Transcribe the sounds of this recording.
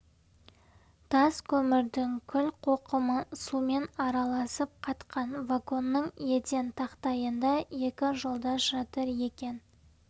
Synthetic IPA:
t̪ʰɑskʲʰɵmɪɾd̪ɪŋkʲʰʏlqʰo̞qəməsume̞nɑɾɑlˠɑsəp̚qʰɑt̪qʰɑnvako̞nːəɴje̞t̪e̞nt̪ʰɑqt̪ɑjənd̪ɑje̞kʲɪʒo̞lˠd̪ɑʒɑt̪əɾje̞kʲe̞n

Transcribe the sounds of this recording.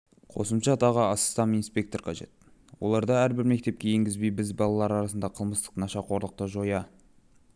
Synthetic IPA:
qʰo̞̰səmʃɑt̪ɑʁəɑsə̥st̪ɑminspʲe̞kt̪o̞rqʰɑʒe̞̰t̪ | wo̞̰lˠɑɾd̪ɑæɾbɪɾme̞k̚t̪e̞p̚kʲe̞je̞ŋɡʲɪzbejbɪzbɑlˠɑlˠɑɾɑɾɑsənd̪ɑqʰəlˠməst̪ə̥qnɑʃɑqʰo̞ɾlˠəq̚t̪əʒo̞jɑ

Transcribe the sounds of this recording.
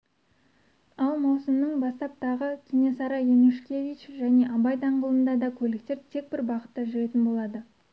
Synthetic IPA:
ɑlˠmɑwsəmnəɴbɑst̪ɑp̚t̪ʰɑʁəkʲʰenesɑɾɑjenuʃkʲe̞vʲit͡ʃʒæne̞ʔɑbɑjt̪ɑɴqəlˠənd̪ɑd̪ɑkʲʰɵlɪk̚t̪e̞ɾt̪ʰe̞k̚bɪɾbɑʁə̥t̪ːɑʒʏɾe̞t̪ɪnbo̞lˠɑd̪ə

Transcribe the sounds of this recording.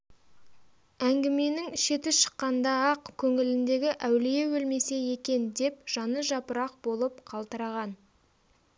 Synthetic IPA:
æŋɡʲɪme̞nɪŋʃe̞t̪ɪʃə̥qːɑnd̪ɑɑqkʲʰɵŋɪlɪnd̪e̞ɡʲɪʔæwlije̞wɵlme̞se̞je̞kʲe̞nd̪e̞p̚ʒ̥ɑnəʒɑpəɾɑq̚bo̞lˠəp̚qʰɑlˠt̪əɾɑʁɑn

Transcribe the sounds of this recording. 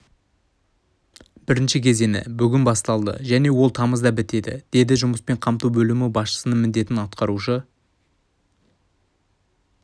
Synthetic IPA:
b̥ɪɾɪnʃɪkʲʰe̞ze̞nɪ̰bʏɡʲɪnbɑst̪ɑlˠd̪ə̰ʒæne̞wo̞lˠt̪ʰɑməzd̪ɑbɪt̪e̞d̪ɪ̰d̪̥e̞d̪ɪʒʊməspe̞ɴqʰɑmt̪ubɵlɪmɪbɑsʃə̥sənəmɪnd̪e̞t̪ɪnɑt̪qɑɾuʃə

